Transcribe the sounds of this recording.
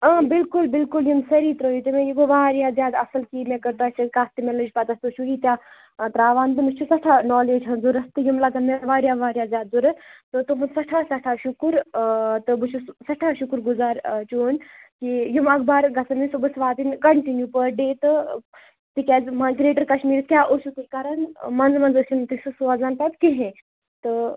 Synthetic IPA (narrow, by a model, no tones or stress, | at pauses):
aːbɪlkulbɪlkuljimsɐɾiːt̪ɾoːjit̪imẽjiɡoʋaːɾjaːzjaːd̪ɐsɐlkimẽːkɐɾt̪oaːt͡ʃɐkaːst̪imelɐd͡ʒpɐt̪ɐst̪ut͡ʃʰuɦiːt̪jaː | t̪ɾaːʋaːnt̪ɨmɨt͡ʃʰusɐʈʰaːnɔːleːd͡ʒɦɐnzuɾɐst̪ɨjumlɐɡɐnmeʋaːɾjaːʋaːɾjaːzjaːd̪̚zuɾɐt̪ɨt̪umɨsɐʈʰaːsɐʈʰaːʃukɾt̪ɨbut͡ʃʰussɐʈʰaʃukɾɡuzaːɾt͡ʃoːnkijumɐkbaːɾɡɐsɐmisubɐsʋaːd̪inkɐɳʈinjupəɖeːt̪ɨ | t̪ikʲaːzmãkɾieːʈɐɾkɐʃmiːɾiskʲaːʔoʃut̪ikaɾɐnmɐnzmɐnzɐt͡ʃint̪isusuazaːnt̪ɐt̪keɦẽ | t̪ɨ